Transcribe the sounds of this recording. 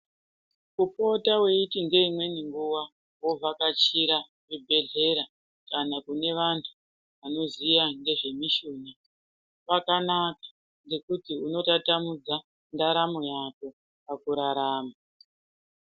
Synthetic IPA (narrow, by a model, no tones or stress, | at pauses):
kupo̞tawe̞itiŋɡe̞imwe̞niŋɡuwa | wovʱakat͡ʃiɾa | ʐibʱe̞ɮe̞ɾa | kanakune̞ʋantʰu̥ | ʋano̞zijaŋɡe̞ʐe̞miʃuna | ʋakanakḁ | ŋɡe̞kutiuno̞tatamud͡za | ndaɾamo̞jako̞ | pakuɾaɾaːma